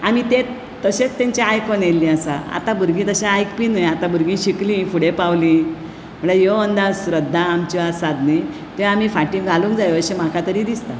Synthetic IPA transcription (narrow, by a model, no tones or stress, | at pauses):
amit̪e | t̪ːəɕet͡st̪ẽɲt͡ɕaajkonelːĩasaa̰t̪abʱuɾɡĩːt̪əɕaajkpinəjat̪abʱuɾɡĩɕiklĩːfuɽepawlĩ | m̤əɳajoənd̪asɾəd̪ʱːaːmt͡ɕɔasad̪ni | t̪eamiːfaʈĩːŋɡʱalũːŋkd͡zajəɕem̤akʰat̪əɾiːd̪ist̪a